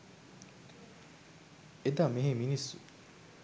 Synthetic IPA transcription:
ed̪ameɦẽminisṵ

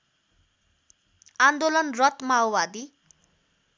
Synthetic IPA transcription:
and̪olʌnrʌt̪mawbad̪i

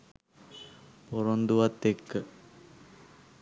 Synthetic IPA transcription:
poɾond̪uʋat̪ːekːə

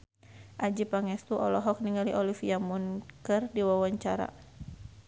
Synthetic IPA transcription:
ʔad͡ʒipaŋɛst̪uʔɔlɔɦɔk̚niŋaliʔɔlifiamunkɨrdiwawaɲt͡ʃaɾa̰

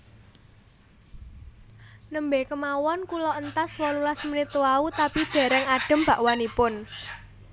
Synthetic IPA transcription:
nəmbekəmawɔnkulɔənt̪aswɔlulasmənit̪uaut̪apid̪̥ɛ̤ɾɛŋaɖ̥ə̤mb̥a̤ʔwanipʊn

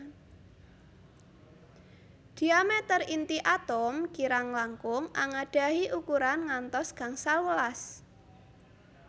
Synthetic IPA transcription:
d̪̥i̤amɛt̪ərint̪iʔat̪ɔmkiɾaŋlaŋkʊŋʔaŋaɖ̥a̤ɦiʔukuɾanŋant̪ɔsɡ̥a̤ŋsawəlas

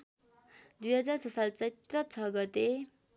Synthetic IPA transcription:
d̪ujɦʌd͡zarsʌsalt͡sʌjt̪rʌt͡sʰʌɡʌt̪e

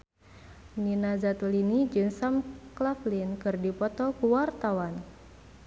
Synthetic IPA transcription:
ninazat̪ulinid͡ʒunsamklaflinkɨrdipɔt̪ɔkuwart̪awan

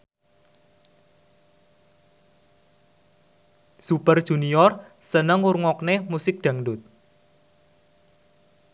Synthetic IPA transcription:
supərd̥ʒ̥ṳniɔrsənəŋurŋɔknemusɪk̚ɖ̪̥ä̤ŋɖʊt̪̚

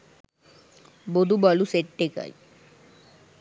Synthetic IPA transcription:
bod̪ubɔluseʈʈeka̰j

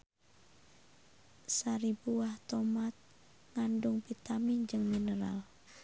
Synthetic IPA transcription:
saɾibuaht̪ɔmat̪̚ | ŋandʊŋpit̪amind͡ʒɨŋminəɾa̰l

